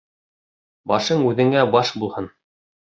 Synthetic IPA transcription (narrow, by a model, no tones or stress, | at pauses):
bɑʃɤɴʉðɘ̆ŋæbɑʃbulˠhɤn